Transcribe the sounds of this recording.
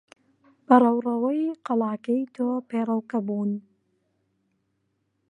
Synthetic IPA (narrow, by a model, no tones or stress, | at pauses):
b̥ɐrˤɐwrɐwɐjqɑlɑːkɐjt̪ʰoːpeːrˤɐwkɐbuːn